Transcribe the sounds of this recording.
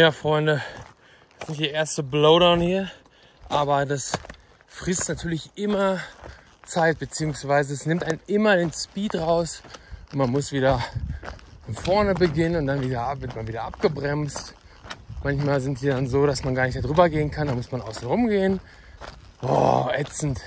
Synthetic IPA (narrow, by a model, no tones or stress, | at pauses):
jaːfʁ̥ɔʏndə | ɛsnɪçtd̥iɐʔeːɐstəbloʊɾaʊnhiːɐ | ʔaːbɐdas | fʁ̥ɪstnatʰyːɐlɪçʔɪmɐ | t͡saɪt̚b̥ət͡siːʊŋsv̥aɪzəɛsnɪmtaɪnnʔɪmɐɾeːnspiːtʁaʊsʔʊntmanmʊsv̥iːɾɐ | fɔnfɔɐnəbəɡɪnənʊntd̥anviːdɐvɪɐtmanviːdɐʔap̚ɡ̥əbʁɛmst | mançmaːlzɪntd̥iːdanzoːɾasmanɡaːɐnɪçtmeɐdʁyːbɐɡeːənkʰandanmʊsmanʔa̰ʊsn̩ʁʊmɡeːən | ɔ̰ːʔɛt͡sn̩t